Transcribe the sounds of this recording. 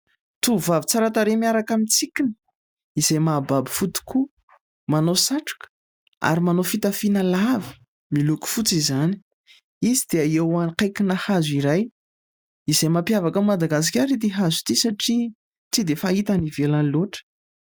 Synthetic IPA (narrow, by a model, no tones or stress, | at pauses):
t̪uvavit͡saɾat̪aɾemiaɾakamit͡sikʲinə̥ | izajmababi̥fut̪u̥kʰu | manosaʈ͡ʂḁkə̥ | a̰ɾimanofit̪əfinalavi̥ | miluku̥fut͡sizani̥ | izid̪̥eaewaniqajkinahaziɾaj | izajmapjavakəmad̪aɡas̬i̥kʲaɾit̪iɦazu̥t̪isaʈ͡ʂi | t͡sid̪efait̪anivelanloʈ͡ʂə̥